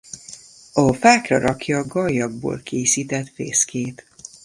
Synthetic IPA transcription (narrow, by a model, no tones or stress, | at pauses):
ɒfaːkrɒɾɒkjɒːɡɒjːɒɡ̚bo̰ːlkʰeːsiːt̪ɛt̪rḛːskeːt̪